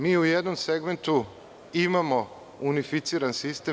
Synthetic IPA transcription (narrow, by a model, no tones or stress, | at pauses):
miːujed̪nomseɡme̞nt̪u | imamo̞ | unifit̪siːɾansist̪e